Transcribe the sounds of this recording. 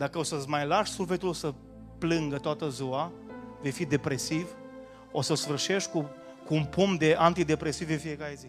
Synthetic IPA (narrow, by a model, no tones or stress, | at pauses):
d̪akəosəzmajlaʃsulfet̪ulosə | plɨŋɡət̪oat̪əzua | ve̞jfid̪e̞pɾe̞siv | o̞səsfɨrʃe̞ʃku | kuːnpʰumd̪e̞ʔant̪id̪e̞pɾe̞sivɨnfije̞kaɾe̞zi